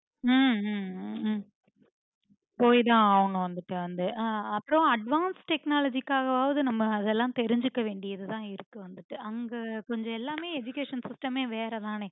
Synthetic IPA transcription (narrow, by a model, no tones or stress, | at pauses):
poːjt̪ãːaːʋɐɳũʋɐnd̪ɯʈːɨɐnd̪ɯʔaːɐpːɾõɐɖʋaːnsʈɛknaːlɐd͡ʒikːaːɣɐʋaːʋɐðɯnɐmːɐɐðɛlːãːmt̪ɛɾɪɲd͡ʒɯkːɐʋeːɳɖɪjɐðɯt̪ãːɪɾɯkːɯʋɐnd̪ɯʈːɯʔɐŋɡekɔɲd͡ʒɐ̃ɛlːaːmeːed͡ʒʊkːeːʂɐnsɪsʈɐmeːʋeːɾɐðaːneː